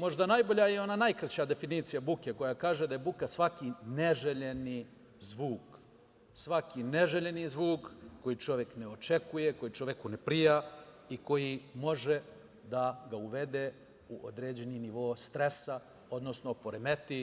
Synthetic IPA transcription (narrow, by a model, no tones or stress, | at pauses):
mo̞ʒd̪anajbo̞ʎajeo̞nanajkɾat͡ɕad̪e̞finiːt̪sijabukeko̞jakaːʒed̪aje̞bukasʋakineʒeʎe̞ni | zʋuːk | sʋakineʒeʎe̞nizʋuːkːo̞jit͡ʃo̞ʋje̞kneot͡ʃekuje̞ko̞jit͡ʃo̞ʋekunepɾija | iko̞jimo̞ʒe | d̪aɡauʋe̞d̪e | uʔo̰d̪ɾeːd͡ʑe̞niniʋo̞ːst̪ɾe̞sa | o̞d̪no̞snopo̞ɾeme̞t̪i